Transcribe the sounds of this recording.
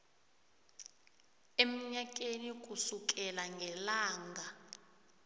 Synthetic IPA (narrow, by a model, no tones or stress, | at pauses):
em̩ɲak̬ʼenik̬ʼusuk̬ʼɛlaŋɡʱɛlaːŋɡʱa